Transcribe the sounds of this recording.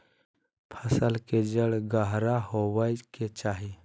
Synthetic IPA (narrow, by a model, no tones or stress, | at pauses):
pʰəsəlked͡ʒəɽɡəɦɾahowəjket͡ʃaːɦi